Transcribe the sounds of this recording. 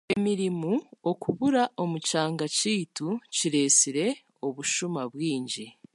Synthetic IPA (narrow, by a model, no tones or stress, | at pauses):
e̞miɾimuo̞kuβuɾaʔo̞mucaːŋɡaciːtuciɾe̞ːsiɾe̞ | o̞βuʃumaβwiːɲɟi